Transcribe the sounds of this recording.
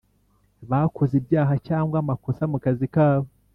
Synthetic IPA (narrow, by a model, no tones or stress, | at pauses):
βakʰozibjaːɦacaːŋɡwamakosamukazikaːβo